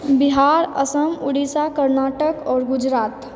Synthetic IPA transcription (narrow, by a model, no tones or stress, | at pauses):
bɪɦaːɾə̰səmʊɽisakəɾnaːʈəkɔːɾɡʊd͡ʒɾaːt̪